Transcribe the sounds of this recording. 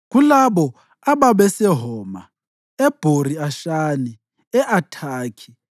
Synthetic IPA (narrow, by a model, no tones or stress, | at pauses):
ɣulaɓɔ | aβaβɛsɛɦɔːma̰ | ɛb̥ʱoriaʃani | ɛʔatʰaːkʰi̥